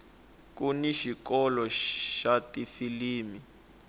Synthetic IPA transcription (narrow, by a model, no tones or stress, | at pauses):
kuniʃikɔlɔʃatifiliːmi